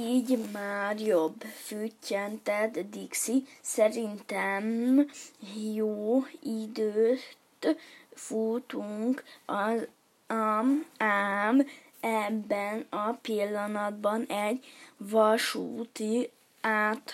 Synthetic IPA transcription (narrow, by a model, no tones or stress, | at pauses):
iːɟmaːrjobːfyːcːɛnt̪ɛt̪d̪iksisɛɾint̪ɛm | joːid̪øːtt̪fuːt̪uŋkɒz | maːm | ɛbːɛnɒpilːɒnɒd̪̚bɒnɛɟːvɒʃṵːt̪i | aːt̪